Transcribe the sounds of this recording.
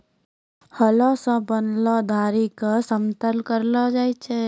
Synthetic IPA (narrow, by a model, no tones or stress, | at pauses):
həlɔsə̃bənlɔd̪ʱaːɾikasəmt̪əlkəɾlɔd͡ʒaːjt͡ʃʰe